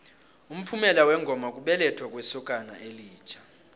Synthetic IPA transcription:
um̩pʰumɛlawɛŋɡʱɔmak̬ʼuɓɛlɛtʰwak̬ʼwɛsɔk̬ʼana̰ʔeliːt͡ʃʰʼḁ

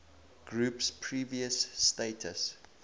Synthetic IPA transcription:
ɡ̥ɹuːpspʰɹiːviəsːtetʰəs

